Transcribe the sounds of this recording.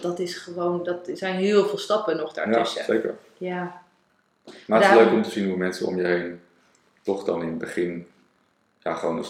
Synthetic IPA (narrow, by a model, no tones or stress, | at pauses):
dɑtɪsχəʋowndɑtsɛjnɦɪːlˠvɪːlˠstɑpənɔχda̰ːjaəɛsejkə̰ɹ | jaː | maløɥkɔmtəzinɦumɛnsəɔ̰mjəɦejn | tɔχdɑnɪnəbəχɪn | ja̰ːχəʋownə